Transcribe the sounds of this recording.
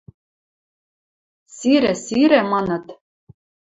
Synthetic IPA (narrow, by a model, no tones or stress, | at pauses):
siɾɘsiɾɘ̆mɑnɤ̆t̪